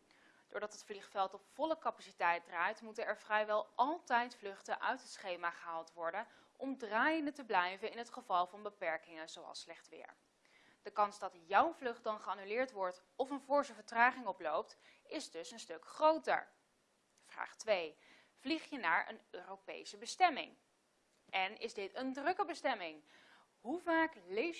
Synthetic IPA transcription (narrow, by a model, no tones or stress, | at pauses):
d̥ʊːɹdɑtɦətfliχfɛlˠtɔpfɔləkɑpasitɛjt̚draːjtmutənɛɹvrɛjʋɛlˠʔɑlˠtɛjtflɵχtəʔœ̰ɥtɦətsχejmaːχəɦaːlˠtʋɔɹdən | ʔɔmdraːjəndətəblɛjvənɪnɦətχəvɑlˠvɑnbəpɛɹkɪŋənzowɑ̰lˠslɛχtʋɪ̰ːɹ | d̥əkɑnzdɑtjɔwvlɵχ̚dɑnχəaːnylɪːɹtʋɔɹt | ɔfənvʊːɹzəvəɹtraːχɪŋɔplowp̚t | ɪzdɵsənstɵkχrowtə̰ɹ | v̥ra̰ːχtʋej | v̥liχjənaːɹə̰nøːrowpḛjsəbəstɛmɪ̰ŋ | ʔɛnɪ̰zdɪtəndrɵkəbəstɛmɪŋ | ɦuvaːklej